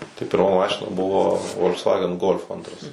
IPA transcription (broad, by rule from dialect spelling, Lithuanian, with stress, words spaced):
tɐɪ pʲɪrˈmɐ ˈmɑːʃʲɪnɐ ˈbʊʋoː ʋoːlˠksˈʋɑːɡʲɛn ɡoːlʲf ˈɐntrɐs